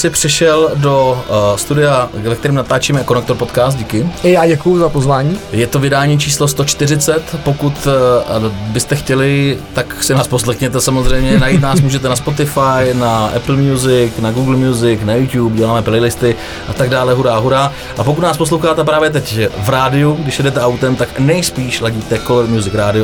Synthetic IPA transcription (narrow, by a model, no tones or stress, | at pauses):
sɪpr̝̥ɛʃɛldo̞st̪udɪjavɛkt̪ɛɾiːmnat̪aːt͡ʃimɛko̞nɛkt̪o̞ɾpo̞t̪kaːst̪̚ɟikɪɪjaːɟɛkujʊzapozvaːɲiːjɛt̪o̞vɪdaːɲiːt͡ʃiːslo̞st̪ot͡ʃt̪ɪrɪt͡sɛt̪po̞kut̪ | bɪst̪ɛxcɛlɪt̪aksɪnaːspos̬lɛxɲɛt̪ɛsamozr̝ɛjmɲɛnajiːt̪naːsmuːʒɛt̪ɛnaspo̞t̪ɪfajnaʔɛ̰pl̩mjuzɪknaɡuːɡl̩mjuzɪknajut̪jupɟɛlaːmɛplɛjlɪst̪ɪ | ʔat̪aɡdaːlɛɦuɾaːɦuɾaː | ʔapo̞kut̪naːspo̞s̬lowxaːt̪ɛp̬ɾaːvjɛt̪̬ɛcvɾaːdɪuɡdɪʃjɛdɛt̪ɛawt̪ɛmt̪aknɛjspiːʃlaɟiːt̪ɛkoloɾmjuzɪkɾaːdɪo